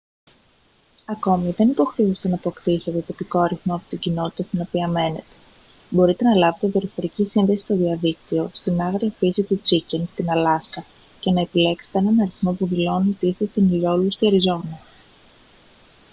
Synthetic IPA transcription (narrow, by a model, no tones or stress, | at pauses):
ɐko̞miðe̞nipo̞xɾe̞ust̪e̞nɐpokt̪ise̞t̪e̞t̪o̞piko̞ɐɾiθmoɐpo̞̥t̪iɟino̞t̪i̥t̪ɐst̪ino̞piɐme̞ne̞̰t̪e̞̥ | bo̞ɾit̪e̞nɐlɐve̞t̪evioɾifo̞ɾicisinðe̞si̥st̪o̞ðiɐðikt̪io̞st̪inɐɣɾiɐfisit̪ut͡sicenst̪inɐlɐskɐ | ce̞nɐe̞pile̞kse̥t̪eenɐnɐɾiθmo̞puðilo̞nit̪ist̪est̪inilo̞lust̪iɐɾizo̞nɐ